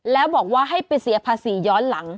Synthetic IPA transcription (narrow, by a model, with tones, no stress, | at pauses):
lɛː˦˥wbɔː˨˩k̚waː˥˩ɦa˥˩jpa˧jsi˩˦pʰaː˧siː˩˦jɔː˦˥nla˩˦ŋ